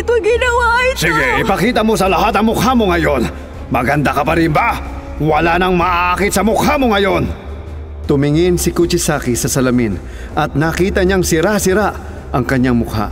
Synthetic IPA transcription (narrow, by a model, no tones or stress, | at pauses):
t̪oɡɪnɐwasiɡɛɪpɐkiːt̪ɐmosɐlɐɦat̪̬ɐŋmʊkhamoŋɐjo̞n | mɐɡɐnd̪akɐpɐɾɪnba | wɐlanɐŋmɐʔaʔakɪt̪sɐmʊkhamoŋɐjo̞n | t̪ʊmɪŋɪnsɪkut͡ʃɪsaːkisɐsɐlɐmin | ʔɐt̪̚nɐkiːt̪ɐɲaŋsɪɾasɪɾaʔ | ʔɐŋkɐɲaŋmʊkha̰